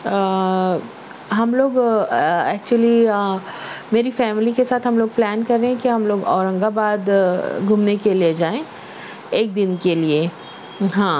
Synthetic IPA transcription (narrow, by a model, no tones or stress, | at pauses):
ɦɐmloːɡ | ɛːk̚t͡ʃuəli | meːɾifɛːmɪlikesaːt̪ʰɦɐmloːɡ̚plɛːnkɐɾːẽɦɛ̃kiɦɐmloːɡɔːɾə̃ŋɡabaːd̪ɡʱumnekelied͡ʒaːẽː | eːk̚d̪ɪnkelie | ɦãː